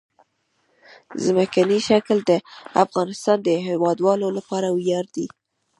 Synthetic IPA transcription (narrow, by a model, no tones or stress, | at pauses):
zməkaniʃakld̪əa̰fɣɑnɪst̪ɑnd̪əɦewɑd̪wɑlolapɑɾawjɑɾd̪i